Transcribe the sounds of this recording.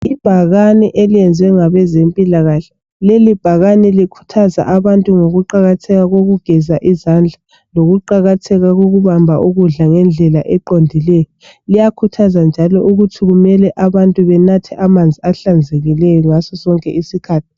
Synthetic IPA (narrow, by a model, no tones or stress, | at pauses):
ib̥ʱaɣanɛʔeliɛnd͡zʱwɛŋaβɛzempʼilaɣaɬɛ̥ | lelib̥ʱaɣanɛlikʰu̥tʰaza̰ʔaβantʼuŋoɣuǃaɣatʰɛɣaɣoɣuɡ̥ʱɛzaʔizand͡ɮʱa | loɣuǃaɣatʰɛɣaɣoɣuβambʱaʔuɣuɮaŋɛnd͡ɮʱɛlaʔɛǃondʱilɛjɔ | lijakʰutʰazand͡ʒʱalɔʔuɣutʰiɣumɛlɛʔaβantʼuβɛnatʰɛʔamand͡zʱiaɬand͡zʱeɣilɛjɔŋasɔsɔŋkʼɛisikʰaːtʰi̥